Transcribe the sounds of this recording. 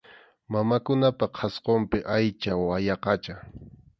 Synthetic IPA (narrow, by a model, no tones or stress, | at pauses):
mamakʊnapaqʰɑsqompɪʔajt͡ʃawajɑqɑt͡ʃa